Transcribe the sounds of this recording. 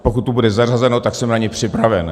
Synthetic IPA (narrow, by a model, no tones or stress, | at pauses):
pokut̪tːubudɛzar̝azɛnot̪aksɛmnaɲɛpr̥ɪpɾavɛn